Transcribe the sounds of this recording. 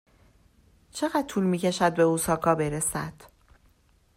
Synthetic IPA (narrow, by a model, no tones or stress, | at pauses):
t͡ʃʰe̞ɣæd̪̥̚t̪ʰuːlmiːce̞ʃæd̪̚be̞uːsɒːkʰɒːbe̞ɾe̞sæd̪̥